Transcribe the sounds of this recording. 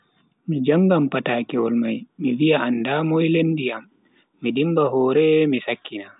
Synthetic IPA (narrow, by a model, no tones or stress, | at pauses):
mid͡ʒaŋɡampataːkɛwɔlmajmivijaʔandamɔjlendijamː | idimbaɦɔːɾɛmisakːina